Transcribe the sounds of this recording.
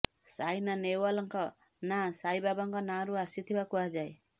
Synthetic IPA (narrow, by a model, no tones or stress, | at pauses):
sajnanewalɔŋkɔ | nasajbabaŋkɔnaɾuasit̪ʰibakuad͡ʒaj